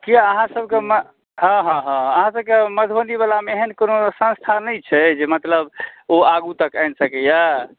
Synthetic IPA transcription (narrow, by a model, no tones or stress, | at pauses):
kiaəɦãsəb̚ʱkemə | ɦə̃ɦɔ̃ɦãəɦãsəbkeməd̪ʰʱbənd̪ibalameeɦənkonosə̃nst̪ʰanəjt͡ʃʰɛd͡ʒemət̪ləboaɡut̪əkajnsəkɛja